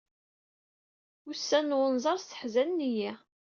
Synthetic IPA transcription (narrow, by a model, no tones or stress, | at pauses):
usːænːwənzˤɑɾˤsə̥ħzænːijæ